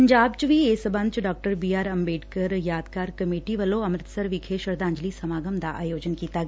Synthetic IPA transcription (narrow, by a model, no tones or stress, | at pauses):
pɐɲd͡ʒaːbt͡ʃʋʱieːsɐbɐ̃nd̪̚t͡ʃɖaːk̚ʈəɾbiːaːɾɐmbeːʈkəɾjaːd̪kaːɾkɐmeːʈiʋɐloɐmɾɪt̪səɾʋɪkʰeːʃəɾd̪ãːɲd͡ʒlisɐmaːɡəmd̪aʔa̰ːjoːd͡ʒənkiːt̪aɡ